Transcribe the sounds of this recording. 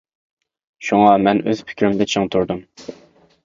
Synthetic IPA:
ʃuŋɑmɛnøz̥pʰɪ̥kʲʰɾymd̪ɨt͡ʃʰɪŋt̪ʰuɾd̪um

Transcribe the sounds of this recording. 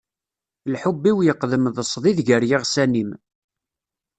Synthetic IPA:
lħubːiwjəqːðəmðəsˤðˤiðʝəɾjɪʁsænim

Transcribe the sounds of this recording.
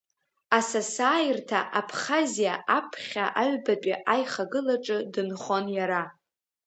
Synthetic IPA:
asasaːjɪrtʰaʔapʰχazijaapʰχʲaʔaɥbat͡pʷʼiʔajχaɡɨlaʈ͡ʂʼɨdɨnχo̞njaɾa

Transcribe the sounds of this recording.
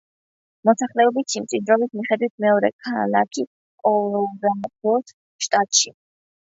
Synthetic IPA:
mɔsaχlɛɔbit̪ʃimt̪sʼid̪ɾɔbismiχɛd̪wit̪ʰmɛɔɾɛ̰kʰalakʰi | kʼɔlɔbɛpʰɔt̪ʰ | ʃt̪ʼat̪ʼʃi

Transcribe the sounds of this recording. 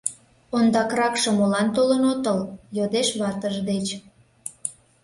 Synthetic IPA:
ond̪ɑkrɑkʃə̆molɑnt̪olənot̪əljod̪eʃβɑt̪əʒd̪et͡ɕ

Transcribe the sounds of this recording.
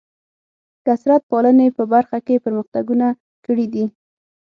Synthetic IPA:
kasɾat̪̚pɑlənepəbaɾxakepəɾməxt̪aɡuna | kəɽid̪i

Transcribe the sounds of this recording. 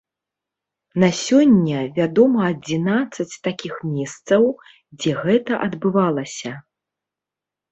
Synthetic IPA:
nasʲɔnʲːɐvʲad̪ɔmɐːd͡zʲinat̪sːɐt͡sʲt̪akʲixmʲɛst̪sɐw | d͡zʲɛɣɛt̪ɐʔɐd̪bɨvalˠɐsʲɐ

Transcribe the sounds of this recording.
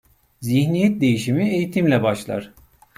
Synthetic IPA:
ziçnijɛt̪̚d̪e̞jiʃimiejit̪ʰimlʲɛbaʃlˠa̰ɾ̥

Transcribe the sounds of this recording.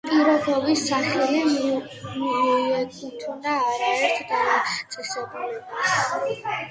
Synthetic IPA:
pʼiɾɔbɔbisːaχɛli | mɔɔɛɡʼit̪ʰunaːɾaɛɾt̪ʰd̪anat̪sʼɛsɛbulɛbas

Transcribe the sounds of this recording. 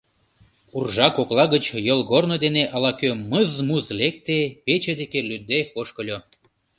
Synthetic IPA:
urʒɑkoklɑɣət͡ɕjolɣornod̪eneʔɑlɑkøməzmuzlek̚t̪epet͡ɕed̪ekelyd̪epoʃkəlʲo

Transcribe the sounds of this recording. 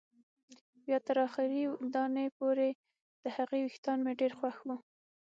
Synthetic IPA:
wjɑt̪əɾɑxɪɾid̪ɑnəjpoɾe | d̪̥əhaɣewixt̪ɑnmeɖeɾxwaxwu

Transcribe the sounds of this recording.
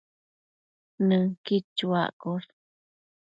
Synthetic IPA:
nɨ̃kit͡ʃːua̰ʔkoɾ

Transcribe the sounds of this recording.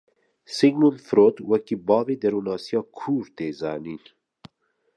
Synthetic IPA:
siŋɡnulfɾoːt̪wɐkibɑːveːd̪ɐɾuːnɑːsijɑːkʰuːɾt̪eːzɑ̰ːniːn

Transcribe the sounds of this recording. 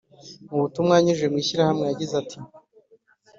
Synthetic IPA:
muβutumŋaːɲiʒwe̞mŋiːʃiɾahamŋejaɟizatʰi

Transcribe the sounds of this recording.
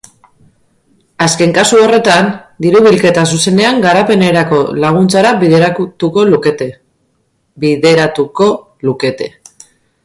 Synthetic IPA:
aske̞ŋkasuo̞re̞t̪and̪iɾuβilke̞t̪as̬use̞ne̞aŋɡaɾape̞ne̞ɾako̞laɣ̞unt͡saɾaβiðɾaut̪uko̞luket̪ | biðe̞ɾat̪uo̞ | luke̞t̪e̞

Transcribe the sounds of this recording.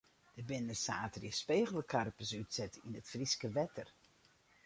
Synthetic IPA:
d̥əbɪnəsaːtrjəspeːɣəl̩ˠəkʰarpəsytsɛtinətfriskəʋɛtʰər

